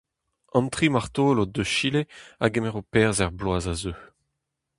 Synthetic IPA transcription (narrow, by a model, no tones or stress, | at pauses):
ɑ̃nt̪χimaʁt̪oːlod̪øʃileaɡemɛʁopɛːʁzɛʁblwaːzazøː